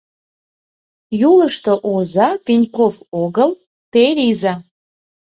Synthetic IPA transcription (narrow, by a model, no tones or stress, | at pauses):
juləʃt̪oʔozɑpinʲkofoɣəl | t̪elizɑ